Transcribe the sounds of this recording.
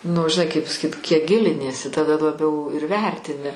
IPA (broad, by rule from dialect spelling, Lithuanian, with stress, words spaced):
nʊ ʒʲɪˈnɐɪ kɐɪp pɐsɐˈkʲiːt kʲiɛk ˈɡʲɪlʲɪnʲiɛsʲɪ tɐˈdɐ lˠɐˈbʲɛʊ ɪr ˈʋʲɛrʲtʲɪnʲɪ